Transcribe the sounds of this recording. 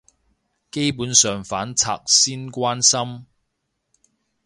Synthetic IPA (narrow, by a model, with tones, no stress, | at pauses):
ke˥jpuː˨˥nsœː˨ŋfaː˨˥nt͡sʰa̰ː˧k̚siː˥nkʷaː˥nsɐ˥m